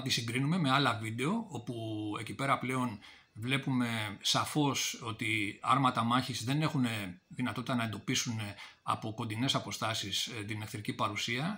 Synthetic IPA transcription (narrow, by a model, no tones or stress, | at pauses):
t̪isiŋɡɾinume̞me̞ɐlɐvid̪e̞o̞o̞pue̞cipe̞ɾɐple̞o̞n | vle̞pume̞sɐfo̞so̞t̪iɐ̰ɾmɐt̪ɐmɐçizðe̞ne̞xuneðinɐt̪o̞t̪it̪ɐnɐe̞nd̪opisune | ɐ̰po̞ko̞nd̪ine̞sɐpo̞st̪ɐsist̪inefθiɾicipɐɾusiɐ